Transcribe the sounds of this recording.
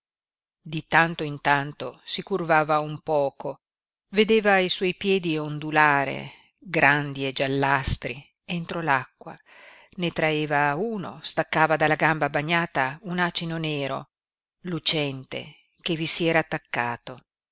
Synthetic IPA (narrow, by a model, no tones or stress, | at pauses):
d̪it̪ant̪oint̪ant̪osikurvaːvaumpɔːko | ved̪eːvaːjswɔjpjɛːd̪iond̪ulaːɾḛ | ɡɾʔand̪ied͡ʒalːast̪ɾi | ent̪ɾolakːwa̰ | net̪ɾaeːvauːno̰st̪akːaːvad̪alːaɡambabaɲːaːt̪aunat͡ʃinoneːɾo̰ | lut͡ʃɛnt̪ḛ | kevisiɛːɾaːt̪ːakːaːt̪o